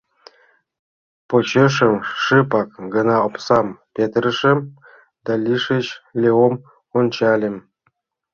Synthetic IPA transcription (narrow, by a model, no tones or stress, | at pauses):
pot͡ɕə̆ʂə̆mʂɨpɑk̚ɡɤ̆nɑopsɑmpʲet̪rə̆ʂə̆m | d̪̥ɑlʲiʂɘ̆t͡ɕlʲeom | onʲt͡ɕɑlʲɘ̆m